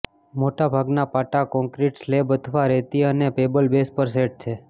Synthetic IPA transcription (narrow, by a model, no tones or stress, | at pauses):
moʈabʱaɡnapaʈakɔ̃ŋkɾiʈslebəd̪ʱʰʋaɾɛt̪iənepebəlbespəɾs̬eʈ̚t͡ʃʰe